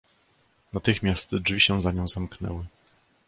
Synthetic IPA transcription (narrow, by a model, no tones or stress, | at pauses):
nat̪ɘxmʲjast̪d͡ʐvʲiɕɛ̃zaɲɔ̃w̃zamknɛ̰wɘ